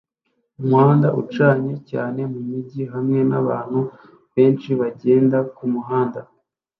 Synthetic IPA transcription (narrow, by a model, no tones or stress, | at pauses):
umuhaːndaʔṵt͡ʃaːɲe̞ca̰ːne̞mumiɟiɦamŋe̞naβa̰ːn̥hu | βe̞ːnt͡ʃiβaɟe̞ːndakumuɦaːnda